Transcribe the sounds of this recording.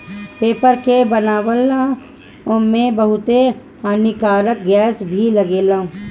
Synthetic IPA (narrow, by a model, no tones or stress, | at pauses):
peːpəɾkebənaːwəla | ɔːmẽbəɦʊt̪e | aːnikaːɾək̚ɡɛːsbʱiləɡeːlãː